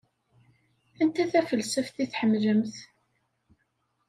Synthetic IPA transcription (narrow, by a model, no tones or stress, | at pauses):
ænt̪æθæfəlsəfθiθħəmləmθ